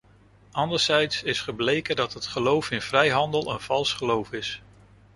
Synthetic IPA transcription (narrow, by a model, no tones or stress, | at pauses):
ɑndəɹz̥ɛjtsɪsχəblejkədɑtɦətχəlowfɪnv̥rɛjɦɑndəlˠənv̥ɑlˠsχəlowfɪs